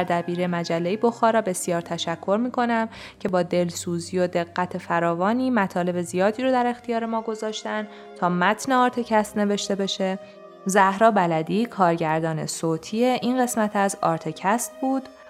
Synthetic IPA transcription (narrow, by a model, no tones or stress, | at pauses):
æɾd̪æbiːɾemæd͡ʒælːejebo̞xɒːɾɒːbe̞sjɒːɾt̪ʰæʃækʰːo̞ɾmiːkʰo̞næmcʰe̞bɒːd̪e̞lsuːziːjo̞d̪e̞ɣːæt̪ʰe̞fæɾɒːvɒːniːmæt̪ʰɒːle̞be̞zijɒːd̪iːɾod̪æɾe̞xt̪ʰijɒːɾe̞mɒːɡo̞zɒːʃt̪æn | t̪ʰɒːmæt̪ʰneɒːɾt̪ʰe̞cʰæst̪ne̞ve̞ʃt̪e̞be̞ʃe̞ | zæhɾɒːbælæd̪iːkʰɒːɾɟæɾd̪ɒːne̞̰soːt̪ʰieʔinɢe̞smæt̪ʰæzɒːɾt̪ʰe̞cʰæst̪̚buːd̪̥